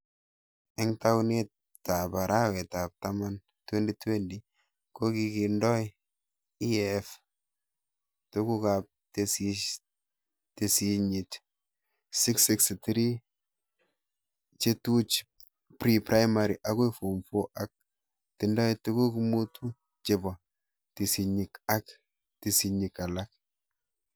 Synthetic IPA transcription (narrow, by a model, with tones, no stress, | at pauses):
ɛ˦ŋta˦wne˦t | ta˨pa˨ɾʔa˦wɛ˨ta˨p̚tama˦n | twe˦ndi˦twe˦ndi | ko˦ki˨ki˨ndɔ˦j | i˦ɛf | tu˦ku˦kap̚te˦si | te˨si˦ɲi˨t | si˦ksi˦kstɾi˦ | t͡ʃe˦tu˦t͡ʃ | pɾipɾa˦jma˨ɾi˨ʔa˦kwifo˨mfo˦ʔa˨k̚ | ti˨ndɔ˦jtu˦ku˦ki˦mu˦tʰu˦ | t͡ʃe˨bɔ˨ | ti˨si˨ɲi˨ka˦k | ti˨si˨ɲi˨ka˨la˦k̚